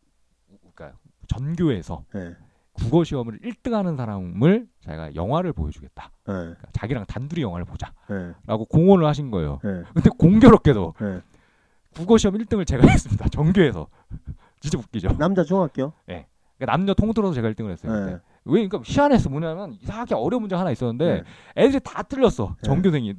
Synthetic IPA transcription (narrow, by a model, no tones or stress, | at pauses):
k͈a̰ | t͡ɕʌnɡjoe̞sʰʌ̰je | kuɡʌɕʰiʌmɯɾiɭt͈ɯŋɦanɯnsʰaɾamɯɭt͡ɕa̰iɡa̰jʌ̰ŋɦwaɾɯɭpo̰jʌd͡ʑuɡe̞t̚t͈ḁ | ek͈at͡ɕaɡiɾaŋtanduɾijʌŋɦwaɾɯɭpod͡ʑajeɾaɡokoŋwʌnɯɭhaɕʰinɡʌḛjo̰ekɯnde̞koŋɡjʌɾʌk͈e̞do̰ | kuɡʌɕʰiʌmiɭt͈ɯŋɯɭt͡ɕe̞ɡaɦes͈ɯmɲidat͡ɕʌŋɡjoe̞sʰʌ̰ | t͡ɕid͡ʑemuk͈̚id͡ʑonamd͡ʑat͡ɕʰoŋak͈eoje̞̰ | ik͈anamɲʌtʰoŋtʰoɾʌsʰʌt͡ɕe̞ɡaiɭt͈ɯŋɯɭhes͈ʌje | weiŋkaɕʰiane̞s͈ʌmoɲamjʌnisʰaakʰeʌɾjʌmund͡ʑehanais͈ʌnːɯnde̞edɯɾitatɯʎːʌs͈ʌ̰t͡ɕʌŋɡjosʰeŋi